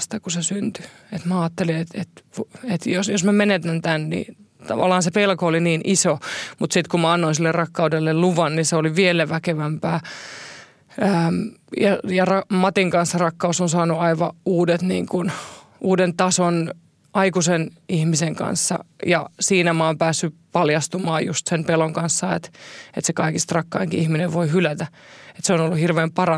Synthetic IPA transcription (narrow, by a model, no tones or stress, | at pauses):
st̪ɑkusesynt̪y̥ | et̪mæɑːt̪ːelinet̪et̪ʋet̪josjosmæmenet̪ænt̪ænnḭ | t̪ɑʋɑ̰lːˑɑːnsepelkooliniːnʔisomut̪sit̪kummæɑnːoinsilːerrɑkːɑudelːelluʋɑnniseoliʋielæʋækeʋæmpæː | əːmjɑjɑrɑmɑt̪iŋkɑnsːɑrɑkːɑusonsɑːnuɑiʋɑuːdet̪nḭːŋkun | uːdent̪ɑson | ɑikusenihmiseŋkɑ̰nsːɑ̰jɑ̰siːnæmɑːmpæːsːypɑljɑst̪umɑːjust̪senpeloŋkɑnsːɑḛt̪et̪sekɑikist̪rɑkːɑːjŋkiihmineʋʋoihylæt̪æ | et̪seonolːuhirʋeːmpɑrɑ